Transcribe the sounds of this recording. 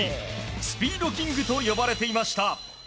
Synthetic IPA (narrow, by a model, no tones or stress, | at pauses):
esɨ̥pʲiːd̪o̞kʲĩŋɡɯ̟t̪o̞jo̞baɾe̞t̪e̞imaɕi̥t̪a